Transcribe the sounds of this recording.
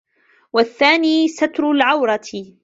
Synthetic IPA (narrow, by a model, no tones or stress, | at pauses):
waθːaːniːsat̪ɾʊlʕawɾˤɑt̪